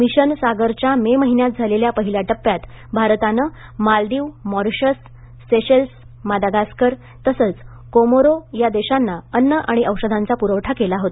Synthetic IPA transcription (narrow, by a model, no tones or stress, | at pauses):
miɕənsaɡəɾt͡ɕjameməɦinjat̪̚d͡zʱaleljapəɦiljaʈəpːjat̪ | bʱaɾt̪anə | malɖ̪iːʋmɔɾɕəsː | eɕəls | mad̪aɡaskəɾ | t̪əsəːt͡s | komoɾojad̪eɕanːaənːəʔaɽ̃iəwʂəd̪ʱant͡sapuɾəʋʈʰakelaɦot̪